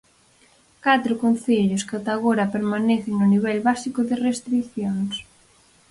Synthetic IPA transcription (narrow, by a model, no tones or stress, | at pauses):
kat̪ɾʊkon̟θeʎʊskat̪aɣoɾɐpeɾmanɛθɪŋnʊniβɛlβasikʊðɪrest̪ɾiθjoŋs